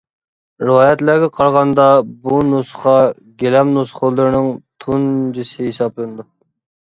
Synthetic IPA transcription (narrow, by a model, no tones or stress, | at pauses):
ɾɨwɑːjɛt̪læɾɡʲɛqʰɑɾʁɑnd̪ɑbunusχɑ | ɡʲelɛmnusχʊlˠːɨɾnɨŋt̪ʰund͡ʒisɪɦesɑblˠɨnɨd̪u